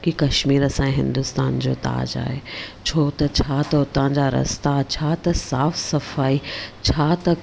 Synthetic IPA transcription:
kikɐʃmiːɾɐsãːĩɦɪ̃nd̪ʊst̪aːnd͡ʑo̰ːt̪a̰ːd͡ʑa̰ːet͡ɕʰoːt̪ɐt͡ɕʰaːt̪ɐʊt̪ãd͡ʑaːɾɐ̰st̪at͡ɕʰaːt̪ɐsaːfsɐfaːit͡ɕʰaːt̪ɐ

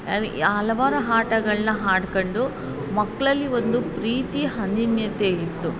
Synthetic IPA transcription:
ɐɾaːlɐʋaːɾɐɦaːʈɐɡɐɭɐnɐɦaːɽkoɳɖu | mɐkːɐɭɐlːiʋond̪upɾiːt̪iɦɐnd̪injɐt̪eːit̪ːu

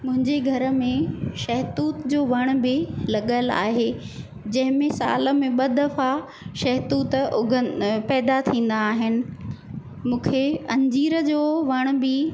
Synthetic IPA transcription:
mʊ̃ɦɪ̃ɲd͡ʑeɡʱɐɾəmẽʃɐɦt̪uːt̪d͡ʑoːʋɐɽ̃ʊ̆bɪlɐɠəla̰ːɦe | d͡ʑɐ̃ɦɪ̃mẽsa̰ːlə̆mẽɓɐd̪ɐfa | ʃɐɦt̪uːt̪ʊɡʱəpɛːd̪at̪ʰĩːn̆d̪aːɦɪnɪ̆ | mũːkʰeɐ̃ɲd͡ʑiːɾəd͡ʑoːʋɐɽ̃ʊ̆bɪ

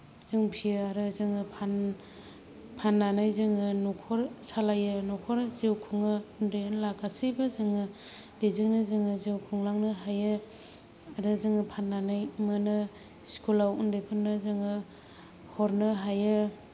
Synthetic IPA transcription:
z̥ɯŋpʰiɯaɾɯzɯŋɯpʰan | pʰanːanajzɯŋɯnukʰɔɾsalajɯnukʰɔɾzewkʰuŋɯundejnlaɡasibazɯŋɯ | b̥ezɯŋnɯzɯŋɯzewkʰuŋlaŋnɯɦajɯ | aɾɯzɯŋɯpʰanːanajmanɯ | skʰulawundɯjpʰɯnːɯzɯŋɯ | hɔɾnɯɦajɯ

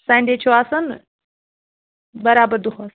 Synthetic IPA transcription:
sãːɳɖeːt͡ʃʰoaːsɐn | bɐɾaːbəɾd̪uxaːs

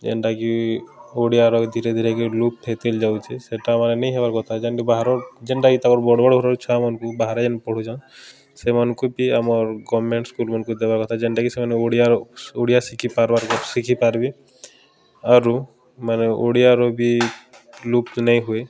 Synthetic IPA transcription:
d͡ʒḛnʈakioɽijaɾɔkd̪ʱiɾed̪ʱiɾekelup̚het̪eld͡ʒawt͡ʃʰeseʈaːmaɾenejɦebaɾkɔt̪ʰad͡ʒenʈibaɦaɾɔɾd͡ʒɛɳʈakit̪akɔɾbɔɽbɔɽɡʱɔɾɔɾt͡ʃʰamɔnkubaɦaɾad͡ʒɛnpɔɽ̤ud͡ʒã | semɔnkupiamɔɾɡɔmeɳʈskulmɔnkud̪ebaɾkɔt̪ʰad͡ʒeɳʈakisemaneoɽijaoɽijasikʰipaɾbaɾkɔsikʰipaɾbi | aɾu | maneʔoɽijaɾɔbi | lup̚nɛjɦue

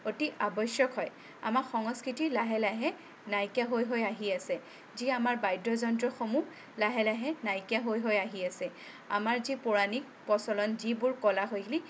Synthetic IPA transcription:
otiʔabɔsjɔkɦɔj | a̰makxɔŋɔskɹitilaɦɛlaɦɛ | najkaɦojɦojaɦiasɛ | ziamaɹbajdɔzɔntɹɔxomu | laɦɛlaɦɛnajkaɦojɦojaɦiasɛ | a̰maɹzipʊɹanik̚pɔsɔlɔnzibʊɹkɔlaɦojɡili

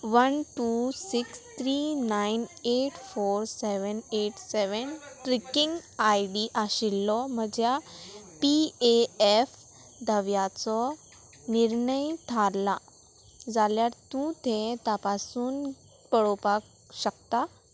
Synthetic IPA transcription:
ʋənʈusikst̪ʰɾinajneʈfoɾseʋəneʈseʋənʈɾikiŋɡajɖiʔaɕilːɔm̤əd͡ʑjapieef | d̪ʱəʋjat͡sɔ | niɾɳəjt̪ʰala | d͡zaljaɾt̪ũt̪ʰẽt̪apasuːn | pəɽopak̚ | ɕək̚t̪a

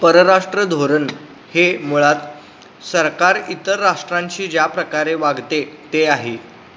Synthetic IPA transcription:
pəɾəɾaʂʈɾəd̪ʱoɾən | hemuɭat̪ | səɾkaɾit̪əɾːaʂʈɾaɲt͡ɕiːd͡ʑjapɾəkaɾeʋaɡʱt̪et̪eaɦe

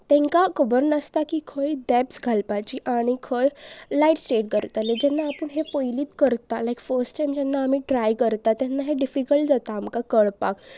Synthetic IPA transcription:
t̪ɛ̃ŋkakəbəɾnəst̪akikʰojdɛpsɡʱalpat͡ʃiʔaɽ̃ikʰojlaiʈsʈeːʈ̚kəɾt̪aled͡ʒɛnːaːpəɳɦepojlit̪kəɾt̪alajkfəɾsʈajmd͡ʒɛnːaːmiʈɾajkəɾt̪at̪ɛnːaɦeɖifikəlʈd͡zat̪aːmkakəɽpa̰k

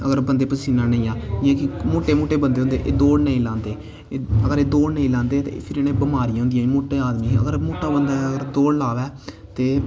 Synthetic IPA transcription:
əɡəɾbənd̪eːpəsiːnãːnəĩːaːɪãːkɪmoːʈeːmoːʈeːbənd̪eːʊ̃nd̪ḛʔeːd̪oːɽnəĩːlãːnd̪eː | əɡəɾeːd̪oːɽnəĩːlãːnd̪eːt̪ḛpʰɪɾeːnẽːbəmaːɾĩɦʊ̃nd̪ijãːmoːʈeːaːd̪mĩːə̰ɡəɾmoːʈaːbənd̪aːəɡəɾd̪oːɽlaːʋɛː | t̪eː

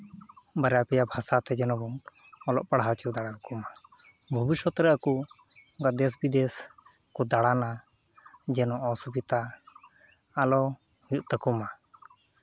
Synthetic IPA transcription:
baɾɛapɛjabʱasat̪ɛd͡ʒɛnɔbɔŋ | ɔlɔ̰ʔpaɽɦat͡ʃud̪aɽakkuma | bʱɔbiʃɔt̪ɾɛaku | ɡaʔd̪ɛs̬bid̪ɛs | kɔd̪aɽana | d͡ʒɛnɔʔɔsubit̪a | lɔ | hjʔt̪əkuma

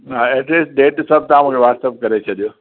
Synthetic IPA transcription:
ɦãːɛʈliːsʈ̚ɖeːʈsɐb̚t̪ãːmũkʰeʋaːst̪əp̚kɐɾet͡ʃʰɐd̪ijoː

